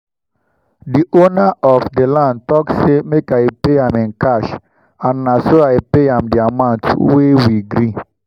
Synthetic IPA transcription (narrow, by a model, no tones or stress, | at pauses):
diʔonaʔɔfdəlãndtɔkssemekajpeãmɪ̃nkaʃ | ãnːasoajpeãmdiamãʊ̃ntwewiɡɾi